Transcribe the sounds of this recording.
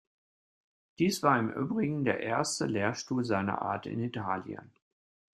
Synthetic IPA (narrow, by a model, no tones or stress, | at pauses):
d̥iːsv̥aːɐɪmʔy̰ːbʁɪɡŋ̩deːɐʔeːɐstəleːɐʃtuːlzaɪnɐ̰ʔa̰ːɐtɪ̰nitʰaːljə̰n